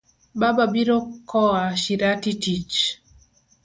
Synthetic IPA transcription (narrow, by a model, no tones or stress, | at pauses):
bababiɾokʰɔaʃiɾatitit͡ʃ